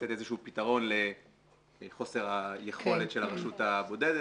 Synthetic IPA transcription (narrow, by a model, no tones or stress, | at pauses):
etezeʃuːpitaʁo̞nle̞ | χo̞se̞ʁajeχo̞letʃelaʁaʃutabo̞de̞de